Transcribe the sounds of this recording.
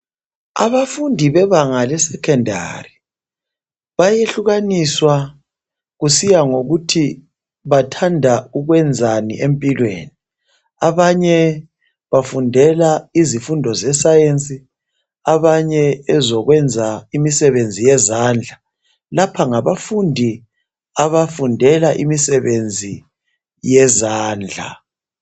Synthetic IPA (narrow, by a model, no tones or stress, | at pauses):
a̰βafundʱiβɛβaŋalɛsɛkʰɛndʱa̰ri | βajeɬuɣaniswa | ɣusijaŋoɣutʰi | βatʰandʱauɣwɛnd͡zʱanḭʔempʼilwḛːni | aβaɲɛ | βafundʱɛlaizifundʱɔzɛsajent͡sʼi | aβaɲɛɛzɔɣwɛnd͡zʱaimisɛβend͡zʱijɛzaːnd͡ɮʱa | lapʰaŋaβafundʱi | aβafundʱɛlaʔḭmisɛβend͡zʱi | jɛzaːnd͡ɮʱa̰